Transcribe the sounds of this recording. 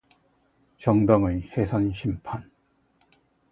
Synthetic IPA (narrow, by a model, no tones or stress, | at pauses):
t͡ɕʌŋdʌŋɯhesʰʌnɕʰimpʰan